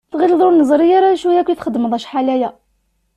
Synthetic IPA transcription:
θɣild̪ˤuɾnːəzˤɾijɑɾˤæjʃwæjækujt̪χəd̪ːmðˤæʃħalæjæ

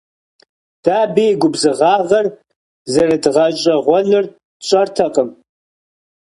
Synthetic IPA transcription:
d̥aːbeːjɡʷʊbzɨʁɑːʁɐr | zɐrɐdʁɐt͡ʃʼɐʁʷɔnɨr | ɕʷʼɐrtʰɐqʼəm

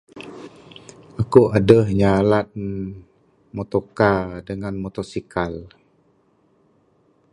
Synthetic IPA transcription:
ʔakuʔadəhɲalat̪̚ | mot̪okadəŋanmot̪ɔsikal

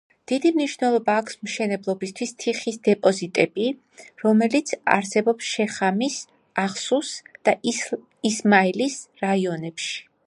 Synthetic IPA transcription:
d̪̥id̪imniʃvnɛlˠɔbaːkʰsmʃɛnɛblˠɔbist̪ʰwist̪ʰiχisd̪ɛpʼɔzit̪ʼɛbi | ɾɔmɛlit̪sʰa̰ɾsɛbɔpsʃɛχamis | aχsusd̪̥a | ismailisɾaiɔnɛpʃi̥

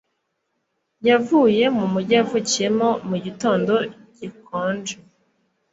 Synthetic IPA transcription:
javuːje̞mumuɾɟavucije̞mo̞muɟito̞ːndo̞ | ɟ̥ikoːnd͡ʒe

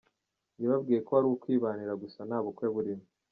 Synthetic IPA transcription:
jiβab̚ɡiːjekoβaɾuwokwiːβaniɾaɡusanaːβukweβuɾimu

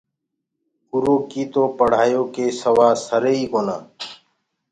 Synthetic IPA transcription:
kuɾoːkiːt̪oːpəɽ̤aːjoːkeːsəʋaːsəɾeːiːkoːnaː

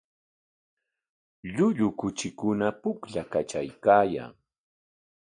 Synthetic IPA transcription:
ʎʊʎʊkʊt͡ʃɪkʊnapʊkʎakat͡ʃajkaːja̰ŋ

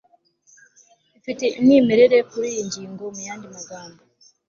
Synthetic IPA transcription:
fiteinimeɾeɾe̞kuɾijiɲɟiːŋɡo̞mujaːndimaɡaːmbo

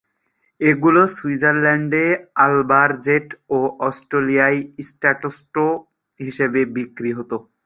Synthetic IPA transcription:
eɡulosuid͡ʑaɾlɛɳɖealbaɾd͡ʑeʈoʔɔsʈɾelijajsʈaʈosʈo | ɦiʃebebikɾiɦot̪o

